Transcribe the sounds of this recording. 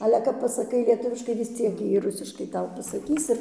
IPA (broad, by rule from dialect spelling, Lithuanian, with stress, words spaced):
ˈɑːlʲɛ kɐp pɐsɐˈkɐɪ lʲiɛˈtʊʋʲɪʃkɐɪ ʋʲɪs ˈt͡sʲiɛk ˈjiɛ ˈrʊsʲɪʃkɐɪ ˈtɐʊ pɐsɐˈkʲiːs ɪr